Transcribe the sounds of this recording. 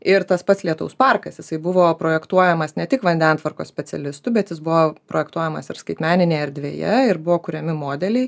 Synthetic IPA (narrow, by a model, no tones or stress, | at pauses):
ɪɾt̪ɐspɐt̪sʲlʲiɛt̪ʊ̰ʊspɑrkɐsjɪsɐɪbʊʋoːpɾoːjɛkt̪uɔjɛmɐsnʲɛt̪ʲɪkʋɐnʲd̪ʲɛnt̪ʋɐɾkoːsʲpʲɛsʲɛlʲɪst̪ʊbʲɛt̪jɪsbʊʋoːpɾoːjɛkt̪uɔjɛmɐsɪɾskɐɪt̪ʲmʲæːnʲɪnʲeːɐɾʲd̪ʲʋʲḛːjɛ̰ɪɾbʊʋoːkʊɾʲɛmʲɪmoːd̪ʲɛlʲɛɪ